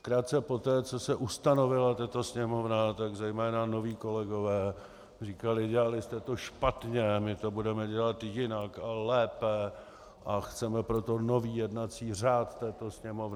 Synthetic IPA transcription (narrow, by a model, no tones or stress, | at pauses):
kɾaːt̪̚t͡sɛpo̞t̪ɛːt͡so̞sɛʔust̪ano̞vɪlat̪at̪o̞sɲɛmo̞vnat̪aɡzɛjmɛːnano̞viːko̞lɛɡo̞vɛː | riːkalɪɟɛlalɪst̪ɛt̪o̞ʃpat̪ɲɛmɪt̪o̞budɛmɛɟɛlat̪jɪnakalɛːpɛ | ʔaxt͡sɛmɛpɾo̞t̪o̞no̞viːjɛdnat͡siːraːt̪t̪ːɛːt̪o̞sɲɛmo̞vnɪ